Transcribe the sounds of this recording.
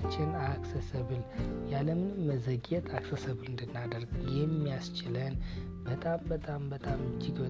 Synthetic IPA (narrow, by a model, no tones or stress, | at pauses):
t͡ʃːɪnaksəsəβɨljaləmnməzəɡɛt̪ʼʰaksəsəβlɨnd̪ɨnːad̪əɾɡəjɛmːijast͡ʃɪlən | b̥ət̪ʼambət̪ʼambət̪ʼamɨd͡ʒɪɡbə